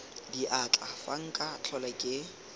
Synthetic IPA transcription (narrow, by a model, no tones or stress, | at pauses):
diʔat͡ɬʼafaŋ̩kʼat͡ɬʰɔlakʼɪ